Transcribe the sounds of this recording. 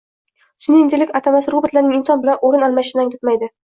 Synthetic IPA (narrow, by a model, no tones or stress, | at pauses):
sʊnɪnd̪ɪlɪkʲat̪ʰamasɪɾʊbɪt̪laɾnɪŋɪnsɒnbɪlanoɾɪnɒlˠmaʃɪnaŋʲd̪ɪt̪majd̪ɪ